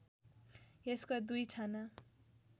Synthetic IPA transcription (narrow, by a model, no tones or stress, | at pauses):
eskod̪ujt͡sʰanʌ